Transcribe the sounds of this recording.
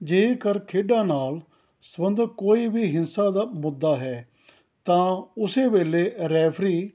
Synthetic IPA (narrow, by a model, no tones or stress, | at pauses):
d͡ʒeːikəɾkʰeːɖãːnaːl | səbə̃nd̪koːiːbʱiːɦɪnsaːd̪aːmʊd̪ːaːɦɛː | t̪ãːʊseːʋeːleːɾɛːfʰɾiː